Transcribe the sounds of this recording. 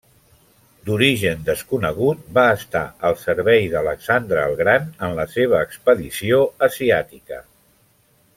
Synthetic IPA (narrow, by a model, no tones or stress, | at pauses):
d̪uɾiʒənd̪əskunəɣ̞ut̪̚baəst̪a̰əlˠsəɾβɛjðələksand̪ɾəːlˠɣɾanənləseβ̞əːkspəðisioəziat̪ikə̰